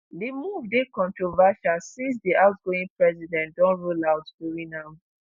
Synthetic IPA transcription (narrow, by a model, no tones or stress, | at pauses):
demuvdekɔ̃ntɹovaʃasĩns̬diaʊtɡoĩŋpɹɛzidɛ̃ntdɔ̃nɹolaʊtbuɹĩnãm